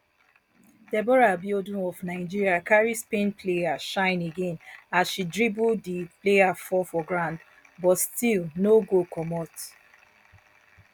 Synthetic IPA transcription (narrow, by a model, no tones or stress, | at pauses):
d̥ɛbɔɹabiodĩnɔvnaɪd͡ʒiɹiakaɹispẽnpʰleaʃãɪ̃neɡẽnasʃidɹibudiplejafɔfɔɡɹãnd | bɔtstilnoɡokʰɔmɔt